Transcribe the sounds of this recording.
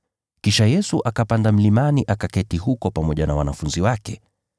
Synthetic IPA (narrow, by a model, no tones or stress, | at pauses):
kiʃajɛsuʔakapandam̩limaniʔakakɛtiɦukɔpamɔʄanawanafunziwakɛ